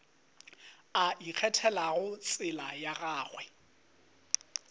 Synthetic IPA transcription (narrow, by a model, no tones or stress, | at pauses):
aʔik͡xʰɛtʰɛlaɣʊt͡sʼɪlajaɣaːɣwɛ